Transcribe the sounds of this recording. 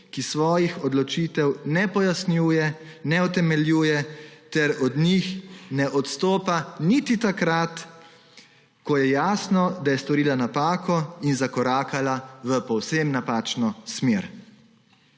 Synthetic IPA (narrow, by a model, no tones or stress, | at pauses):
kisʋɔːjixɔd̪lɔt͡ʃiːt̪ɛwnɛpɔjasnjuːjɛnɛut̪ɛmɛljuːjɛt̪ɛɾɔd̪nixnɛʔɔt̪st̪oːpanit̪it̪akɾat̪ | kɔjɛjaːsnɔd̪ajɛst̪ɔɾiːlanapaːkʰɔinzakɔɾaːkalaʋəpɔwsemnapaːt͡ʃnɔsmeːɾ